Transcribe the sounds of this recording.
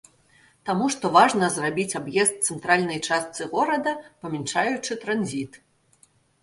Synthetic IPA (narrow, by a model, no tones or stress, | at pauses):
t̪amuʂt̪ɔvaʐnɐzrabʲit͡sʲabjɛst̪̚t̪sɛnt̪ɾalʲnɐjt͡ʂast̪sɨɣɔɾɐd̪ɐpɐmʲɛnt͡ʂajut͡ʂɨt̪ɾanzʲit̪